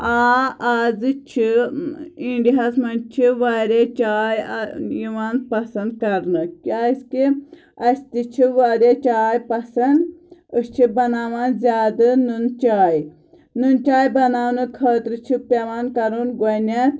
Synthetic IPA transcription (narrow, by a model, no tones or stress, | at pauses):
aːaːzɨt͡ʃʰi | iɳɖiɦɐsmɐnt͡ʃʰiʋaːɾʲet͡ʃaːjjiʋaːnpɐsɐnd̪̚kɐɾnɨkʲaːiski | ɐst̪it͡ʃʰiʋaɾet͡ʃaːjpɐsɐnd̪ɨst͡ʃʰibɐnaːʋaːnzʲjaːd̪ɨnunt͡ʃaːj | nunt͡ʃaːjbɐnaːwnɨkʰɐːt̪ɾɨt͡ʃʰipʲeʋaːnkɐɾunɡonʲe